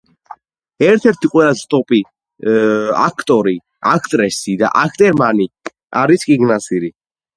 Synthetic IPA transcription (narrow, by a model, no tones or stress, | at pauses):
ɛɾt̪ʰɛɾt̪ʰiqʼwɛlˠast̪ʼɔpʼi | a̰kʰt̪ʼɔɾi | akʰt̪ʼɾɛsid̪a̰ʔakʰt̪ʼɛɾmani | aɾiskʼiɡnasiɾi